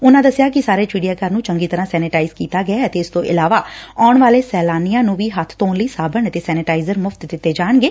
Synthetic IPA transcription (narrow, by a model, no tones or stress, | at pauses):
ʊnãːd̪əsjaːkɪsaːɾeːt͡ʃiːɖijaːkəɾnũːt͡ʃəŋɡiːt̪əɾãːsɛːnɪʈaːizkiːt̪aːɡəaːt̪eːɪst̪õːʔɪlaːʋaːaːʊɳʋaːleːsɛːlaːnijãːnũːʋiːɦət̪ʰt̪oːnləiːsaːbəɳt̪eːsɛːnɪʈaːɪzəɾmʊfʰt̪d̪ɪt̪ːeːd͡ʒaːɳɡeː